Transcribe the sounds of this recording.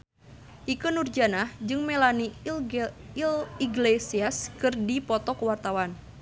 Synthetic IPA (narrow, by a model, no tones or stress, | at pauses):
ʔikənurd͡ʒanahd͡ʒɨŋmelani | liɡlesiaskɨrdipɔt̪ɔkəwart̪awan